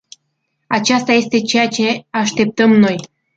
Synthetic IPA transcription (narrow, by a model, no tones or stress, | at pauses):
ɑt͡ɕast̪ɑjest̪e̞t͡ɕejat͡ʃe̞ɑʃt̪ep̚t̪əmnoj